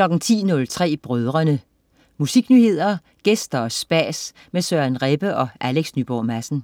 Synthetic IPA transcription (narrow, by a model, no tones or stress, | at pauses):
klɒ̽ɡ̥n̩t͡sʰḭːnɔ̽lt͡sʰʁɛ̰ːb̥ʁœðˠʁɐnə | musiɡ̥nyːhe̝ð̞̰ˠɐ | ɡ̥esd̥ɐɒ̽sb̥æ̰ːs | mesøænʁeb̥əʔɒ̽ʔæleɡ̥snyb̥ɒ̰ːmæsn̩